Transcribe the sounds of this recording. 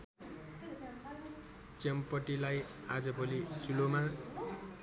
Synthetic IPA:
t͡sempʌʈilaj | ad͡zʌbʱolisuloma

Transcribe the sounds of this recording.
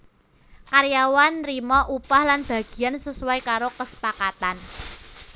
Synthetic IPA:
kaɾjawanrimɔʔupahlanb̥a̤ɡ̥i̤ansusuwajkaɾokəsə̥pakat̪an

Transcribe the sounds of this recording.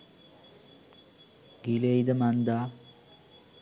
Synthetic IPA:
ɡ̥ilejd̪əmand̪a

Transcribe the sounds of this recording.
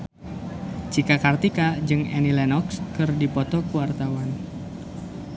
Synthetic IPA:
t͡ʃikakart̪ikad͡ʒɨŋɛnilɛnɔkskɨrdipɔt̪ɔkuwart̪awan

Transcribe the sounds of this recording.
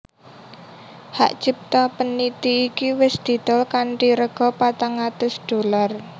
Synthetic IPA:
ha̰ʔt͡ʃip̚t̪ɔpənːit̪iːkiwɪsd̪̥i̤d̪̥ɔlkanʈiɾəɡ̥ɔ̤pat̪aŋat̪ʊsd̥o̤lar

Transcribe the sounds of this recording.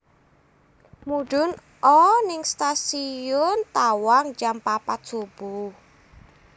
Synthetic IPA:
muɖ̥ʊ̤n | ʔɔnɪŋst̪asijʊnt̪awaŋd͡ʒampapat̪̚ʒ̥ob̥u

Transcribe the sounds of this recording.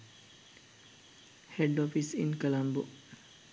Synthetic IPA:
heɖoːfisḭnkɐlɐmbu

